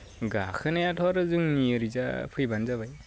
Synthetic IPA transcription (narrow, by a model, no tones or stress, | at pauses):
ɡakʰɯnajatʰɔaɾɯzɯŋniɯɾiza̰pʰɯjbanzaβaj